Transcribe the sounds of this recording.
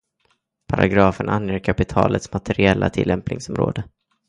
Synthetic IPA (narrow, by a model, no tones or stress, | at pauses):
pʰaɾaɡɾɑːfənʔanjəːɾkʰapɪt̪ʰɑːlət̪smat̪ʰɛɾɪɛlːat̪ʰɪlːɛmpnɪŋsɔmɾo̰ːd̪ə